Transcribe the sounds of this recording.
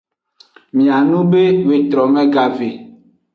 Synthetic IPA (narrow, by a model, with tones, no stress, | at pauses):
mĩ˨a˨nũ˦be˦we˨t̪ɾɔ˨mɛ̃˦ɡa˨ve˨